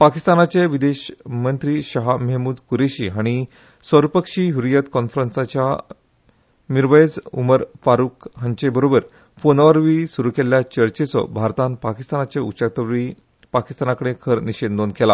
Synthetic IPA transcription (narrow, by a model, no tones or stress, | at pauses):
pakist̪anat͡ɕeʋid̪eɕmənt̪ɾiːɕaɦaməɦmuːd̪kuɾeɕiːaɽ̃i | sʋəɾpəkʂiːɦuɾijət̪kɔnfɾənsat͡ɕja̰ | miɾʋəjed͡zṵməɾfaɾuːkɦə̃ɲt͡ɕebəɾobəɾ | fonʋaɾʋiːsuɾukeljat͡ɕəɾt͡ɕet͡sɔ̰bʱaɾt̪ãnpakist̪anat͡ɕeṵɕək̚t̪əʋʋiː | paki̥st̪anakəɽ̃ekʰəɾniɕed̪d̪onkʰela